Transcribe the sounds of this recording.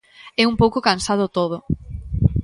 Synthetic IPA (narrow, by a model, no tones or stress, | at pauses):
ɛumpowkokansað̞ʊt̪oð̞ʊ